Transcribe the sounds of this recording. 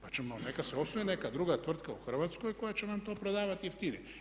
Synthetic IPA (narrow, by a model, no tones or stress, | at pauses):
pat͡ʃɛmanɛkasɛosʋoinɛkaːd̪ɾuɡat̪vr̩t̪kaoxr̩vat̪skoikojat͡ʃɛnamt̪oapɾɛd̪avat̪iɛft̪ini